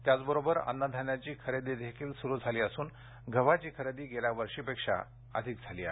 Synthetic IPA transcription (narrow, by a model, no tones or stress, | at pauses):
t̪jat͡sbəɾobəɾə̰nːəd̪ʱanjat͡ɕiːkʰəɾed̪id̪ekʰiːlsuɾuːd͡zʱaliːəsuːn | ɡʱəʋat͡ɕiːkʰəɾed̪iːɡeljaʋəɾʂiːpekʂa̰ | ə̰d̪ʱik̚d͡zʱaliːa